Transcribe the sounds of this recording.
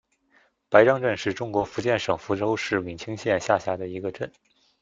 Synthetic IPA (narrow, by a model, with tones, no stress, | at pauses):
pa˧˥ɪʈ͡ʂɑ˥ŋʈ͡ʂə˥˧nʂɻ̩˥˩ʈ͡ʂʊ˥ŋkwɔ˧˥fu˧˥t͡ɕjɛ˥˩nʂɤ˨˩ŋfu˧˥ʈ͡ʂo˥ʊʂɻ̩˥˩mi˨˩nt͡ɕʰi˥ŋɕjɛ˥˧nɕja˥˩ɕja˧˥d̪ə˧i˧˥ɡə˧ʈ͡ʂə˥˩n